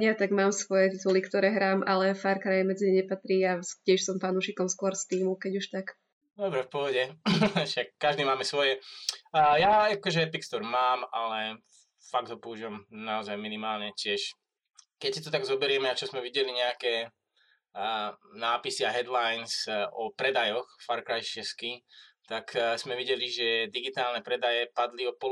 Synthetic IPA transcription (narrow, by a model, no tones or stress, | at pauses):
at̪aɡmaːmsʋɔjɛt̪it̪ulikt̪ɔɾɛːɦɾaːmʔalɛfaːɾkɾajɛmɛd͡ziɛɲɛpat̪ɾiːascɪɛʃsɔmfanuʃikɔmskʊɔɾst̪iːmukɛɟuʃt̪ak | d̪ɔbɾɛfpɔɦɔɟɛʃakːaʒd̪iːmaːmɛsʋɔjɛ | jaakɔʒɛp̪ikst̪ɔɾmaːmalɛ | faɡ̚d̪ɦɔpɔuʒiʋamnaɔzajminimaːlɲɛcɪɛʃ | kɛcsit̪ɔt̪̬aɡzɔbɛɾɪɛmɛat͡ʃɔzmɛʋiɟɛliɲɛakɛ | naːpisiaɦɛd̪lajnsɔpɾɛd̪ajɔxfaɾkɾajst͡ʃɛskit̪akz̥mɛʋiɟɛliʒɛd̪iɡit̪aːlnɛpɾɛd̪ajɛpad̪liɔpɔ